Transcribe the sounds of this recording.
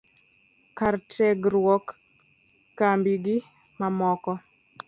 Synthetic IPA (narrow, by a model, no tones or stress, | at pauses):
kartɛɡɾwɔkː | ambiɡɪ | mamɔkɔ